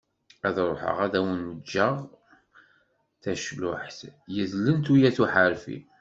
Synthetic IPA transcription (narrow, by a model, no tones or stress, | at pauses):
æðɾˤoħə̰ʁæðæwənwəd͡ʒːəʁ | θæʃlʊħθjəzlənt̪ujæθuħəɾfḭ